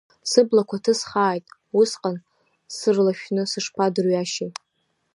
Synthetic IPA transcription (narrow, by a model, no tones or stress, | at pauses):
sɨblakʷʰatʰɨsχaːjtʼ | usqʼan | sɨrlaʃᶣnɨsɨʂpʰadɨrɥaʃɪ